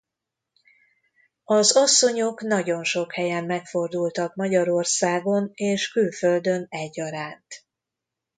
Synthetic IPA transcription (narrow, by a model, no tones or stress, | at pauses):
ɒzɒsːo̞ɲo̞knɒɟo̞nʃo̞khɛjɛmːɛkfo̞rd̪ult̪ɒkmɒɟɒɾo̞rsaːɡo̞neːʃkylføld̪ø̞nɛɟːɒɾaːnt̪